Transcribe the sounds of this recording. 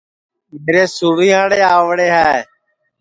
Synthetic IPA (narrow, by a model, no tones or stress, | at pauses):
meːɾeːsuːɾijãːɽeːaːʋɽeːɦɛː